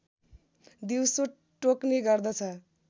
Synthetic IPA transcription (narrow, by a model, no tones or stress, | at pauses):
d̪iwso | ʈokneɡʌrd̪ʌt͡sʰʌ